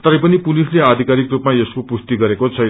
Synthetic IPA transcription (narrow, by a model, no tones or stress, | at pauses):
t̪ʌɾʌjpʌnipulislead̪ʱikaɾikrupmaeskopust̪iɡʌɾekot͡sʰʌ